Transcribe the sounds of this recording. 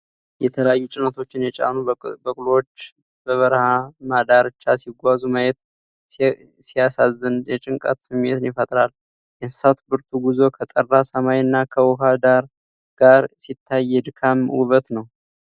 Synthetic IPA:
jɛt̪ʰələjajːut͡ʃʼɪnət̪ʰo̞t͡ʃːɪnjɛt͡ʃʼa̰nubəkʼlot͡ʃː | bəβəɾhamad̪aɾɨt͡ʃːasiɡʷazumajɛt̪ | sijasazːɨnjɛt͡ʃʼɪŋkʼa̰t̪sɨmːet̪ɨnjɪfət̪ʼɾal | jɛsɨ̥sat̪bɨɾt̪ʰuɡuzo̞kʰət̪ʼərːasəmajɨnːakʰəwɔɦad̪aɾ | ɡ̥aɾsit̪ʰːajːɛd̪ɨkʰamuβət̪nəw

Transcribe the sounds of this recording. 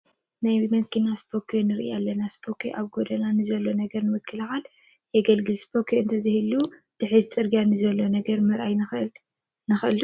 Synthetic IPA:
najmɐkinasbʰo̞kʰonɨɾʔḭjalːɐnaspʰo̞kʰeʔaβɡod̪ɐnanɨzɐlːo̞nɐɡɐɾnɨwɨkʰːɨlɐxal | jɛɡɐlɡɨlsbʰokʰeɨnt̪ʰɐzɨhɨlːud̪̥ɨħɨzt͡sʼɨɾɡijanɨzɐlːo̞nɐɡɐɾmɐɾʔajnɨɨl | nɨxʔɨl

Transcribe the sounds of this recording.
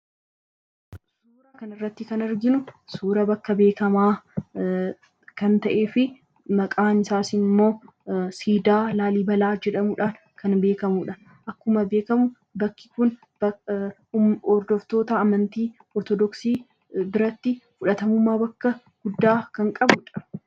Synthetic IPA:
suːɾakɐnɪrːɐt̪ːɪkɐnɐɾɡɪnʊsuːɾɐbɐkːɐbe̞ːkɐmaː | kɐnt̪ɐʔe̞ːfɪ | mɐkʼaːnɪsaːsɪmːo̞ː | siːd̪aːlaːliːbɐlaːd͡ʒɛᶑɐmuᶑaːn | kɐnbe̞ːkɐmuᶑɐ | ʔɐkːʊmɐbe̞ːkɐmʊ | bɐkːɪ̥kʊn | b | ɔɾd̪ɔft̪o̞ːt̪ɐːmɐnt̪iː | ɔɾt̪ɔd̪ɔksiː | bɪɾɐt̪ːɪfʊᶑɐt̪ɐmʊmːaːbɐkːɐ | ɡ̥ʊd̪ːaːkɐŋkʼɐbʊᶑɐ̥

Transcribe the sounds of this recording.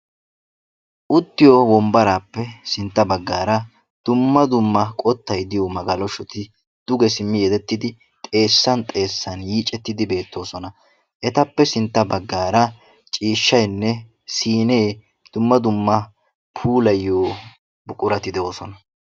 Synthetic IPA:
ʔʊt̪ːɪjowɔmbɐɾaːpːɛsɪnt̪ːɐbɐɡːaːɾɐ | d̪̥ʊmːɐd̪ʊmːɐkʼɔt̪ːɐjd̪ɪjoːmɐɡɐlɔʃɔt̪ɪ | d̪̥ʊɡɛsɪmːɪjɛd̪ɛt̪ːɪd̪ɪ | t̪ʼe̞ːsːɐnt̪ʼe̞ːsːɐnjiːt͡ʃʼɛt̪ːɪd̪ɪbe̞ːt̪ːo̞ːsɔnɐ | ʔɛt̪ɐpːɛsɪnt̪ːɐbɐɡːaːɾɐ | t͡ʃʼiːʃːɐjnːɛ | siːne̞ː | d̪̥ʊmːɐd̪ʊmːɐ | pʰuːlɐjːoː | bʊkʼʊɾɐt̪ɪd̪ɛo̞ːsɔnɐ

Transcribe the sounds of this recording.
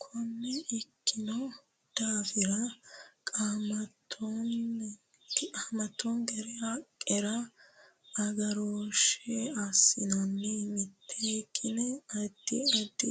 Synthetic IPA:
kʰɔmːɛɛkːɪnɔ | d̪̥aːfɪɾɐkʼaːmɐt̪ʰːɔn | aːmɐt̪ːɔnɡɛɾɛɐkʼːɛɾɐ | ɐɡɐɾoːʃɛasːɪnɐnːɛmɪt̪ʰːekʼːɪnɛɐd̪̥ːɪ̰ɐd̪ːɪ

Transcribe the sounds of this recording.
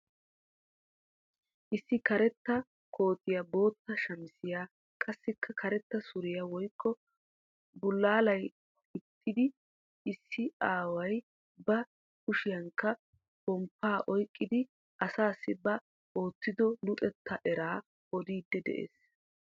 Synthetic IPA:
ʔɪsːɪkɐɾɛt̪ːɐ | kʰo̞ːt̪ːɪjɐbo̞ːt̪ːɐʃɐmɪsɪjaː | kʼɐsːɪkʰːɐkʰɐɾɛt̪ːɐsʊɾɪjɐwɔjkːɔ | bʊlːaːlɐj | ɪt̪ʰːɪd̪ɪ | ɪsːɪaːwɐj | bɐ | kʊʃɪjɐŋkːɐ | bɔmpːaːʔɔjkʼːɪd̪ɪ | ʔɐsaːsːɪbɐ | oːt̪ːɪd̪ɔlʊt̪ʼɛt̪ʰːɐʔɛɾaː | ɔd̪iːd̪ːɛd̪ɛ̰ʔḛːs

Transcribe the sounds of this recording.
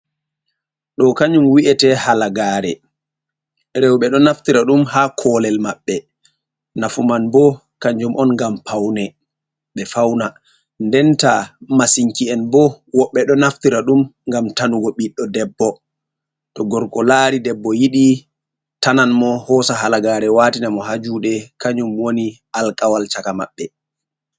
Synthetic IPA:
ɗɔkaɲd͡ʒumwiʔɛtɛhalaɡaːɾɛ̰ | ɾɛwɓɛɗɔnaftiɾaɗumhaːkʰɔlɛlmaɓːɛ | nafumanbɔ | kaɲd͡ʒumʔɔnŋɡampawnɛ | ɓɛfawna | ndɛntamasiŋkiɛnbɔ | wɔɓːɛɗɔnaftiɾaɗumŋɡamtanuɡɔɓiɗɔdɛbːɔ | tɔɡɔɾkɔlaɾidɛbːɔjiɗi | tananmɔhɔsaɦalaɡaːɾɛwaːtinamɔɦad͡ʒuɗɛkaɲumwoni | alkʼawalt͡ʃakama̰ɓːɛ

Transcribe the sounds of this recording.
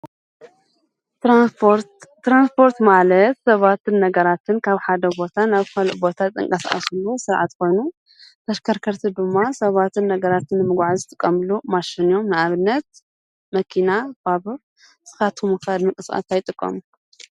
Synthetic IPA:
t̪ːɾanspʰo̞ɾt̪malɐt̪sɐβat̪ʰɨnːɐɡɐɾat̪ʰɨnkʰaβħad̪ɐbo̞t̪ʰanaβkɐlʔbo̞t̪ʰat̪ʼːɨ̰ŋkʼɐsa̰sulːosɨɾʕa̰t̪ko̞jnu | t̪ʰɐʃkʰɐɾkʰɐɾt̪ʰid̪ɨmːasɐβat̪ʰɨnːɐɡɐɾat̪ɨnːɨmɨɡʷʕazɨt̪ʼɨkʼːɐmɨlumaʃinijo̞mnɨaβɨnːɐt̪̚ | mɐkʰinabaβɨ | z̥ɨ̥xat̪ʰumukʰalmɨkʼɨsʼa̰t̪ajt̪ʼɨkʼːɐ̰mu

